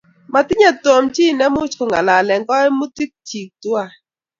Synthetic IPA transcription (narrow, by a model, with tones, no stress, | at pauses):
ma˨tɪ˦ɲa˦to˨mt͡ʃi˦˨nɛ˦mʊ˦t͡ʃko˨ŋa̰˨la˨lɛ˨ŋɡɔ˦ɛ˦mu˦ti˦k̚t͡ʃi˨k̚twa˦˨